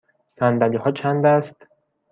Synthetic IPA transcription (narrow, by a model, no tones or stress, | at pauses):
sænd̪ælihɒːt͡ʃʰænd̪æst̪